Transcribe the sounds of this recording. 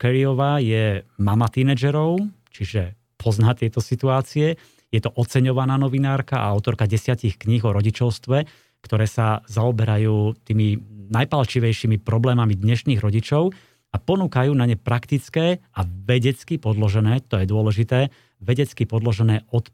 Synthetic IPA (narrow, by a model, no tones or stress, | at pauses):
kɛɾiɔʋajɛmamat̪inɛd͡ʒɛɾɔʊt͡ʃiʒɛ | pʰɔznat̪ɪɛt̪ɔsit̪uaːt͡siɛ | jɛt̪ɔʔɔt͡sɛɲɔʋanaːnɔʋinaːɾkaʔa̰aʊt̪ɔɾkaɟɛsɪacixkɲiɣɔɾɔɟit͡ʃɔʊst̪ʋɛ | kt̪ɔɾɛːsazaɔbɛɾajuːt̪iːminajpalt͡ʃiʋɛjʃimipɾɔblɛːmamid̪ɲɛʃniːɣɾɔɟit͡ʃɔʊ | apɔnuːkajuːnaɲɛpɾakt̪it͡skɛːaʋɛɟɛt͡skipɔd̪lɔʒɛnɛːt̪ɔjɛd̪ʊɔlɛʒit̪ɛː | ʋɛɟɛt͡skipɔd̪lɔʒɛnɛːɔt̪